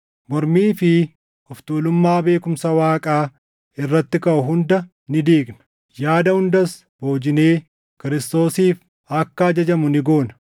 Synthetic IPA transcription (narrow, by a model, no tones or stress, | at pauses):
mɔɾmiːfɪ | ɔft̪uːlʊmːaːbe̞ːkʊmsɐwaːkʼaː | ɪrːɐt̪ːɪkɐʔʊɦʊnd̪ɐ | nɪd̪iːɡnɐ̥ | jaːd̪ɐhʊnd̪ɐs | bo̞ːd͡ʒɪne̞ː | kɪɾɪst̪o̞ːsiːf | ɐkːɐɐd͡ʒɐd͡ʒɐmʊnɪɡo̞ːnɐ